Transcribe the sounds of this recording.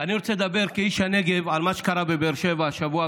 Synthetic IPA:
aniʁot͡seled̪abeʁkeiʃhaneɡevʕalmaʃe̥kaɾabebeɾʃevaʃavua

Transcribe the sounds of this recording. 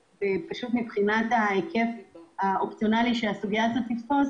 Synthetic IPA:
vepaʃut̪mibχinat̪aekʰe̞faopt͡sjo̞naliʃeasuɡijazot̪ːiftoz

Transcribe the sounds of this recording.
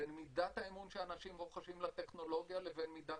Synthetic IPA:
enmidat̪haemunʃeanaʃimʁoχaʃimlat̪e̞χno̞lo̞ɡjale̞venmid̪a

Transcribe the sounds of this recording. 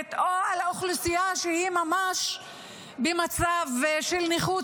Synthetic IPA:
t̪oalaoχlusijaʃehimamaʃ | bemat͡savʃelniχu

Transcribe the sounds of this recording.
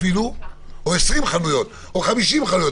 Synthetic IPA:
iluoesʁimχalujo̞t̪ | oχamiʃimχanujo

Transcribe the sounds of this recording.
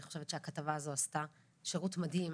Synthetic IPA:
iχo̞ʃe̞vetʃeakatavaːzo̞asta | ʃeʁutmadhim

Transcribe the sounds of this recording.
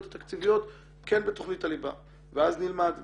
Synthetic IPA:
t̪at̪akt͡sivijo̞t̪ | kenbet̪o̞χnitaliba̰ | veaznilmad̪

